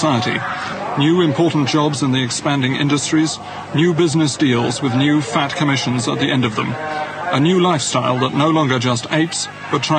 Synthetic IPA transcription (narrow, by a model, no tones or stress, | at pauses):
aɪəɾḭnjʉɨ̃mpʰɔɹʔn̩d̥ʒ̥ɑbzɨ̃nðiɨkspæ̃ndɪ̃ŋʔɪ̰̃ndɨstɹ̥iz̥ | njʉbɪznɨsd̥ilˠzwɨðnjʉfæt̚kʰɨmɪʃɨ̃n̩zə̰t̪̚ðiʔɛ̃ndʌvðə̰̃mʔɨnjʉlaɪfstaɪlˠðəʔⁿnoʊlɒ̃ŋɡə˞d͡ʒʌsteɪps | b̥ʌtʰɹ̥a